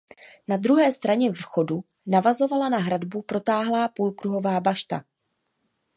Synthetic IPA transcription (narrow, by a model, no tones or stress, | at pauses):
nad̪ɾuɦɛːst̪ɾaɲɛvxo̞du | navazo̞valanaɦɾadbupɾo̞t̪aːɦlaːpuːlkɾuɦo̞vaːbaʃt̪a̰